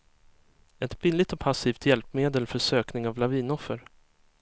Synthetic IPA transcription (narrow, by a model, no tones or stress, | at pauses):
ɛt̪bɪlɪt̪ɔpʰasiːft̪jɛlpmeːd̪əlfœʂøːknɪŋavlaviːnɔfːəɾ